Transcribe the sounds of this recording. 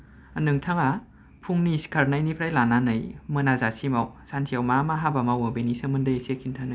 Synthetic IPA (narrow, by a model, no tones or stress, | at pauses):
nɯŋtʰaŋa | pʰuŋniskʰaɾnajnipʰɾajlananɯjmɯnazasimawsansʰiawmamaɦabamawabenisɯmɯndɯjesekʰintʰanɯj